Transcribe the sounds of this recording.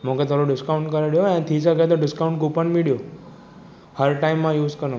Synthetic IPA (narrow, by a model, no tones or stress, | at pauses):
m̤õket̪ʰoɾoɖɪskauɳʈkəɾeɽjoẽt̪ʰisəket̪̬oɖɪskaũɳʈɡupənmiɽjo | həɾʈaimːãjuːzkəɾnõ